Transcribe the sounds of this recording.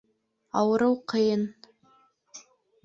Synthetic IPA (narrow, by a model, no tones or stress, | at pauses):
a̰wɾɨwqʰejn